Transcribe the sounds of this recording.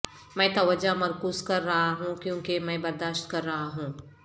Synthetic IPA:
mɛ̃ːt̪ɐʋəd͡ʒamɐɾkuːzkɐɾːɐɦaɦũkjõːkemɛ̃ːbɐɾd̪aːʃt̪̚kɐɾːɐɦaɦũː

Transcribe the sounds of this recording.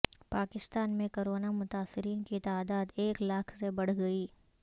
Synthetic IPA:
paːkɪst̪aːnmẽkoɾoːnamʊt̪aːsɪɾiːnkit̪aːd̪aːd̪eːklaːkʰsebɐɽ̤ɡɐiː

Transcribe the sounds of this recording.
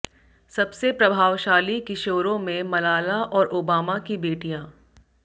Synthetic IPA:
sɐbsepɾɐbʱaːʋʃaːlikɪʃoːɾõmẽmɐlaːlaʔɔːɾʔoːbaːmakibeːʈijãː

